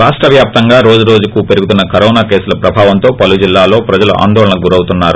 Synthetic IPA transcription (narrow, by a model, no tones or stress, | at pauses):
ɾaːʂʈɾɐʋjaːp̚t̪ɐŋɡaːɾo̞ːd͡ʒuɾoːd͡ʒukupe̞ɾuɡut̪̬unːɐkɐɾɔːnaːkeːsulɐpɾɐbʱaːʋɐnt̪o̞ːpɐlud͡ʒilːaːlo̞ːpɾɐd͡ʒɐlṵʔa̰ːnd̪ɔːlɐɳɐɡuɾɐwut̪unːaːɾu